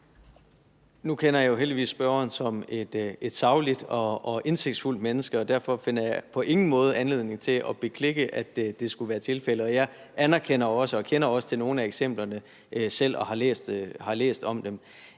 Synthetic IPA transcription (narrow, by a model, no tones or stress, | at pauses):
nukʰenɐjɑ̈joɦeldiʋḭːsːb̥ɶɐɐnsɒ̽med̥e̝d̥sɑ̈ʊlid̥ɒɒ̽ʔe̝nse̝ɡ̥d̥sful̰d̥menəsɡ̥əɒ̽d̥æɐ̰fɒ̽fe̝n̰ɐjɑɪpʰɒ̽ʔe̝ŋn̩mɔ̽ːð̞ˠænle̝ð̞̰ˠne̝ŋt͡sʰe̝lʔɒ̽b̥e̝kʰle̝ɡ̥əʔæd̥d̥e̝sɡ̥uʋæːɐt͡sʰe̝lfel̰əɒ̽jɑ̈ɪʔænæɐkʰen̰ɐɒ̽səɒ̽kʰen̰ɐɒ̽sə̥t͡sʰe̝lno̝ːn̩æeɡ̥sem̰b̥lɐnə | ʔsel̰ɒ̽hɑ̈lḛːsd̥hɑ̈lḛːsd̥ɒ̽md̥em